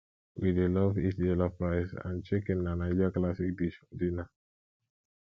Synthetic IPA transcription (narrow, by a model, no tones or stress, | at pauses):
wʔidelɔvditelapɹaɪsã̰nt͡ʃekɛ̃nːanad͡ʒaklasik̚diʃɔ̃ndina